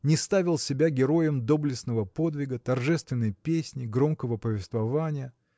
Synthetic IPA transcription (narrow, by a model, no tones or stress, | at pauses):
nʲɪst̪avʲɪlˠsʲɪbʲaɡʲɪɾo̞jəmd̪o̞blʲɪsnəvəpo̞d̪vʲɪɡət̪ɐrʐɛst̪vʲɪnːəjpʲesʲnʲɪɡɾo̞mkəvəpəvʲɪst̪vɐvanʲɪjə